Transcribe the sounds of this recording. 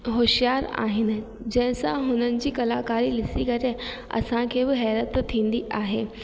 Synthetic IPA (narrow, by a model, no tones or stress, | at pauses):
ɦoːʃijaːɾa̰ːɦɪnɪ̆ | d͡ʑɐ̃ɦɪ̃sãɦʊnənɪ̆d͡ʑiːkɐlaːkaːɾilɪsikɐɾe | ɐ̰sãkʰeːbɪɦɛːɾət̪ʰːĩːnd̪iʔaːɦeː